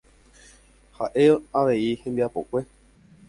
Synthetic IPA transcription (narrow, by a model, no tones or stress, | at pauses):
haʔe̞aʋe̞ihẽ̞mbiapo̞kʷe̞